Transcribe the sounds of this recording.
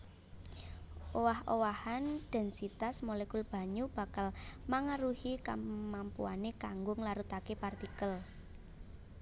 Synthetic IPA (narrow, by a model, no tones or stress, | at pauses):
owahowahanɖ̥ɛ̤nsit̪asmolekulb̥a̤ɲub̥a̤kalmaŋaɾuhika̰mampṵanekaŋɡʊŋlaɾut̪akepart̪ikəl